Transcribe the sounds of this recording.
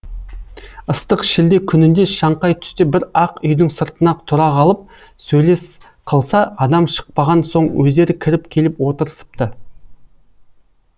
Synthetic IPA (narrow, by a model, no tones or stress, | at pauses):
əst̪əqʃɪld̪ekʲʰʏnɪnd̪e̞ʃɑɴqɑjt̪ʰʏ̥st̪ebɪɾɑqʏjd̪ɪŋsəɾt̪ənɑt̪ʰʊɾɑʁɑlˠəp̚ | sɵjle̞s | qʰəlˠsɑɑd̪ɑmʃə̥q̚pɑʁɑnso̞ɴwɵzd̪e̞ɾɪkʲʰɪɾɪpkʲʰe̞lɪpwo̞t̪əɾəsə̥pt̪ə